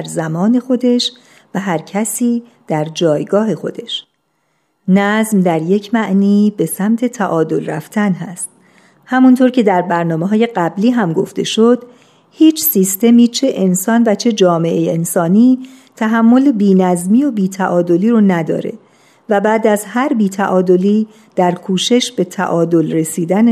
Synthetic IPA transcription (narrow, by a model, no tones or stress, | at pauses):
ɾzæmɒːne̞xo̞d̪e̞ʃ | væɦæɾcʰæsiː | d̪̥æɾd͡ʒɒːjɡɒːɦe̞xo̞̰d̪e̞ʃ | næzmd̪æɾje̞cʰmæʔniːbe̞sæmt̪ʰe̞t̪ʰæʔɒːd̪o̞lræ̰ft̪ʰænɦæst̪ | hæmunt̪ʰoːɾcʰe̞d̪æɾbæɾnɒːme̞ɦɒːje̞ɢæbliːɦæmɡo̞ft̪e̞̰ʃod̪̥ | hiːt͡ʃʰsiːst̪e̞miːt͡ʃʰe̞ʔensɒːnvæt͡ʃʰe̞d͡ʒɒːme̞ʔejensɒːniː | t̪ʰæɦæmːo̞lebiːnæzmiːobiːt̪ʰæʔɒːd̪o̞liːɾonæd̪ɒ̰ːɾe̞̰ | væbæːd̪æzhæɾbiːt̪ʰæʔɒːd̪o̞li | d̪̥æɾkʰuːʃe̞ʃb̥e̞t̪ʰæ̰ʔɒːd̪o̞lre̞siːd̪æn